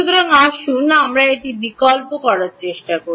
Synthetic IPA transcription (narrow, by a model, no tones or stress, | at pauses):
ukɾɔŋaʃunamɾaeʈibikɔlpokɔɾaɾt͡ɕeʃʈako